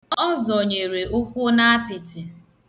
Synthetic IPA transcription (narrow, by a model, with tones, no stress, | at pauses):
ɔ˦zɔ˨ɲe˨ɾe˨ʔʊ˦kʷʊ˦na˦a˦pɪ˨tɪ˨